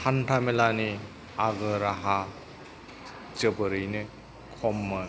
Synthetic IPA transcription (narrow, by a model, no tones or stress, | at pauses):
antʰamelani | aɡɯɾaɦa | t͡ʃəbɯɾɯjnɯ | kʰɔmːɯ